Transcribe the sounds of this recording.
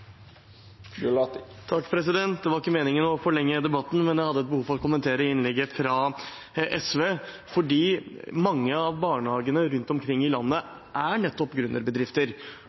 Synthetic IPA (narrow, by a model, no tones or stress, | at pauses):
t̪ʰɑkːpʰɾɛsɪd̪ɛnt̪̚d̪ɛʋɑɾɪkːəmeːnɪŋənɔfɔɭɛŋːəd̪ɛbɑt̪ːn̩mɛnjæɪhɑd̪ːəɛt̪̚bəhuːfɔɾɔt̪kʊmənt̪ʰeːɾəɪnlɛɡːəfɾɑ | ʔɛsʋeː | fɔɖiːmɑŋːəɑʋbɑːɳəhɑːɡənəɾʉnt̪ɔmkʰɾɪŋːɪlɑnːə | ʔæɳɛt̪ːɔpɡɾʉnːʔə̰ɾbəd̪ɾɪft̪əɾ